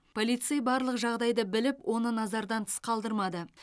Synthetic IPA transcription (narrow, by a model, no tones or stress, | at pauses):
pʰolijt̪sɨjbɑɾlˠəqʒɑʁd̪ɑjd̪əbɪlɪpwʔo̞nənɑzɑɾd̪ɑnt̪ʰə̥sqʰɑlˠd̪əɾmɑd̪ə